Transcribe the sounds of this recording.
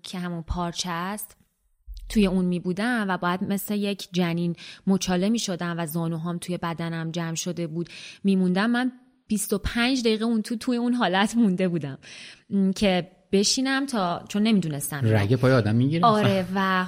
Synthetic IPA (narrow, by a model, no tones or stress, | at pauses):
cʰehæmunpʰɒːɾt͡ʃʰæst̪ | t̪ʰuje̞uːnmiːbuːd̪æmvæbɒːjæd̪me̞sle̞je̞cʰd͡ʒæniːnmot͡ʃʰɒːle̞miːʃo̞d̪æmvæzɒːnuɦɒːmt̪ʰuje̞bæd̪ænæmd͡ʒæmʃo̞d̪e̞buːd̪miːmund̪æmːæn | b̥ist̪o̞pʰænd͡ʒd̪æjiːɣeunt̪ʰuːt̪ʰujeuːnɦɒːlæt̪ʰmund̪e̞buːd̪æm | cʰe̞ | b̥e̞ʃiːnæmt̪ʰɒːt͡ʃʰo̞nːe̞miːd̪uːne̞st̪æmɾæ̰ɡepɒːjeɒːd̪æmːiɡiɾeɒːɾevæ